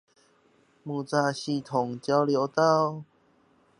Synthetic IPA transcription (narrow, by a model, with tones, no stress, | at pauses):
mũ˨˩t͡sa˧˩ɕi˧˩t̪ʰo˨˩ŋt͡ɕja˧˦wljo˨˧˦wt̪a˥˧w